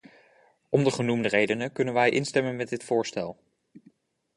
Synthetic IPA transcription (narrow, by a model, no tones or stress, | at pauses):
ɔmdəχənumdərejdənəkɵnənʋɛjʔɪnstɛmənmɛdɪtfʊːɹstɛlˠ